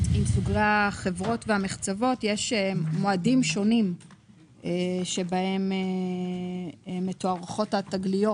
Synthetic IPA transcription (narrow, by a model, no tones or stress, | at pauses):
imsuɡʁeχevʁo̞tveameχt͡savo̞tjeʃemoadimʃo̞nim | eʃe̞bahe̞me | metoaʁχo̞thataɡlijo̞